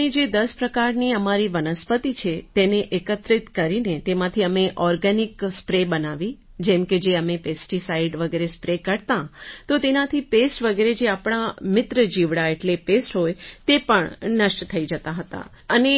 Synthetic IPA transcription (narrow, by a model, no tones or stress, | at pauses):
id͡ʒed̪əspɾəkaɾniəmaɾiʋənəspət̪it͡ʃʰet̪eneʔekət̪ɾɪt̪kəɾinet̪emãt̪ʰiəmeʔɔɾɡanɪkspɾebənaʋi | d͡ʒɛ̃mked͡ʒeəmepesʈisaiɖʋəɡeɾespɾekəɾt̪ãt̪ot̪enãt̪ʰipesʈʋəɡeɾed͡ʒeapɳ̃amɪt̪ɾəd͡ʒiʋɽaeʈlepesʈɦojt̪epəɳnəʃʈt̪ʰəid͡ʒət̪aɦət̪a̰ | əne